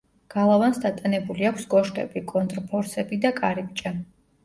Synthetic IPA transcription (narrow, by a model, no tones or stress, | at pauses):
ɡ̥alˠavansd̪at̪ʼanɛbuliakʷʰsɡʼɔʃk̪ʼɛ̰bikʼɔnt̪ʼɾpʰɔɾsɛbid̪akʼaɾib̚ʼt͡ʃʼa